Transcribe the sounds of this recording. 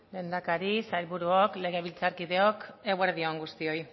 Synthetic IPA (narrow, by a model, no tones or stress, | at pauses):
me̞nd̪akaɾisajlβuɾuokle̞ɣ̞e̞βilt͡saɾkiðe̞o̞keɣweɾðio̞ŋɡust̪io̞j